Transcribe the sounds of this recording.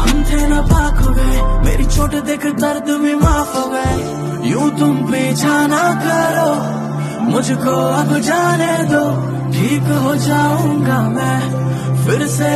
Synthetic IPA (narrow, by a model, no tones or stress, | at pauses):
amd͡ʒ̪eːnɐpaːkʰoːɡɐemḛːɾit͡ʃʰoːʈed̪eːkʰt̪ɐɾd̪mĩːmaːfɦoːɡeː | jũːt̪ʊmpeːt͡ʃʰaːnaːkɐɾoː | mʊd͡ʒʱkoːɐbd͡ʒaːneːd̪oː | ʈʰiːkɦoːd͡ʒaːũːɡaːmɛ̃ː | pʰɪɾse